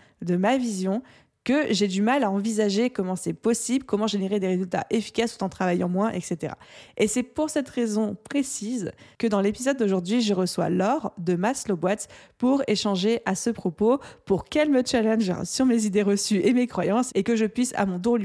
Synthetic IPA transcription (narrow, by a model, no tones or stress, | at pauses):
d̪əmavizjɔ̃ | kəʒed̪ymalaɑ̃vizaʒekɔmɑ̃sɛpɔsiblkɔmɑ̃ʒeneʁed̪eʁezylt̪a̰ʔefi̥kʲast̪u̥t̪ɑ̃t̪χavajɑ̃mwɛ̃ʔɛ̰kset̪eʁa̰esɛpuʁsɛt̪ʁezɔ̃pχesizkəd̪ɑ̃lepizɔd̪ːoʒuʁd̪ɥiʒəʁəswa̰lɔʁd̪əmaslobwat̪puʁeʃɑ̃ʒeʔasəpχɔpopuʁkʲɛlmət͡ʃalɛ̃nʒ̰syʁmezid̪eʁəsyʔemekχwajɑ̃sekəʒəpɥisa̰mɔ̃t̪̬ul